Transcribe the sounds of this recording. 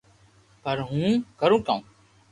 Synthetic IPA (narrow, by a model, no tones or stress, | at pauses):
pəɾɦũːkəɾũːkãːũː